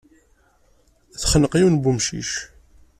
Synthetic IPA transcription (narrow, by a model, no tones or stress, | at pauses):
θχənəqiwnbumʃḭʃ